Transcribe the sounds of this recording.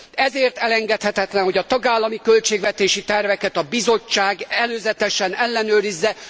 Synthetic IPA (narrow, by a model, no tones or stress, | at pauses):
ɛzeːrt̪ɛlɛŋɡɛt̪hɛt̪ɛt̪lɛnɦo̞ɟɒt̪ɒɡaːlːɒmikø̞lt͡ʃeːɡvɛt̪eːʃit̪ɛrvɛkɛt̪ɒbizo̞t͡ʃːaːɡɛløːzɛt̪ɛʃɛnɛlːɛnøːɾizːɛ